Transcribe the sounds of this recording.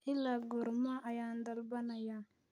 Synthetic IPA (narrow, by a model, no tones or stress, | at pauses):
hilaɡoɾmaʔajand̪albanaja